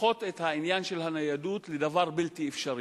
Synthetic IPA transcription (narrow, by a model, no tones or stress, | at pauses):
o̞t̪et̪hainjanʃe̞lhanajadut̪led̪avaʁbiltiefʃaʁi